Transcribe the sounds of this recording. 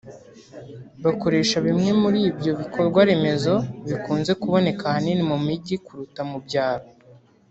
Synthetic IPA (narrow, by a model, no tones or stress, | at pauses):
βako̞ɾe̞ːʃaβimŋe̞muɾiːbjo̞βikʰo̞ɾɡwaɾe̞me̞zo̞βikuːnze̞kuβo̞ne̞kahaninimumiɟikuɾutamubɟaːɾo